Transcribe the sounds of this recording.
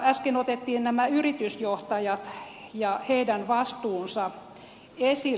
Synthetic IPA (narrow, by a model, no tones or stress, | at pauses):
æskenot̪et̪ːiːnnæmæyrit̪ysjoht̪ɑjɑt̪jɑheidænʋɑst̪uːnsɑ | esi